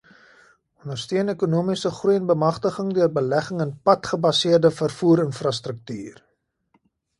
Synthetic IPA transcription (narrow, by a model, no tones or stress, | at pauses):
ɔndərstyənekunuəmisəχrujənbəmɐχtəχəŋdøərbəlæχəŋənpɐtχəbɐsiərdəfərfuːɾənfrɑstrək̚tyːr